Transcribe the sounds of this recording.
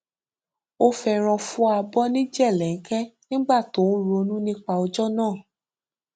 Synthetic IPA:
o˦fɛ˧ɾ̃ɔ̃˧fũ˦a˧bɔ˦nĩ˦d͡ʒɛ˦˨lɛ˨ŋ̩˦kɛ˦nĩ˦ɡ͡ba˦˨to˨˦ɾo˧nũ˦nĩ˦k͡pa˧ɔ˧d͡ʒɔ˦nãː˦˨

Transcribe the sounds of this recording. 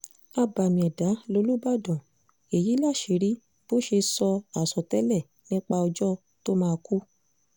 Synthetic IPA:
a˧ba˨mĩ˨ɛ˨da˨˦lo˧˦lu˦ba˦˨dɔ̃˨ | e˨ji˨˦la˦˨ʃi˨˦ɾi˨˦ | b̥o˦ʃe˧sɔ˧a˨sɔ˨tɛ˦lɛ˦˨ | nĩ˦k͡pa˧ɔ˧d͡ʒɔ˦ | to˦mãː˦˧ku˦

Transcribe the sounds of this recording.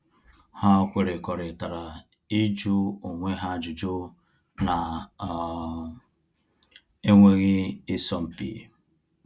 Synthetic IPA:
ha˦kʷe˨ɾe˨kɔ˨ɾe˨ta˨ɾa˨ | i˦d͡ʒu˦o˨ŋʷe˦ɦa˦d͡ʒʊ˨d͡ʒʊ˦ | na˨ | e˦ŋʷe˦ɣɪ˦ɪ˦sɔ˦m̩˦pḭ˦˨

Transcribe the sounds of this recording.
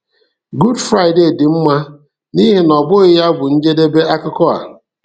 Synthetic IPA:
ɡu˦dfɾa˦ɪ˨de˨dɪ˨m̩˦ma˦ | ni˦ɦe˨nɔ˨bʊ˦ɣɪ˦ja˦bʊ˨n̩˦d͡ʒe˦de˦be˦a˦kʊ˦kɔ˦a̰˨

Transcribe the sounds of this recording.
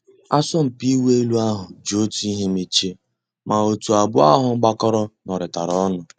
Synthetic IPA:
a˦sɔ˦m̩˨pi˦we˦e˦lu˦a˦ɦʊ˨d͡ʒo˨˦tu˦i˦ɦe˦me˦t͡ʃe˦ | ma˨o˨tu˨a˨bʊ˦a̰˦ɦʊ˨ŋ͡m̩˦ɡ͡ba˦kɔ˦ɾɔ˦nɔ˨ɾɪ˨ta˨ɾɔ˦nʊ˨

